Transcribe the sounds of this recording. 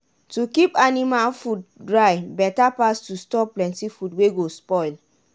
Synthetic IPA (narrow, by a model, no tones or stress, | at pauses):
tukipanimalfud̚dɹaɪbɛtapastustɔplɛ̃ntifudweɡospɔɪl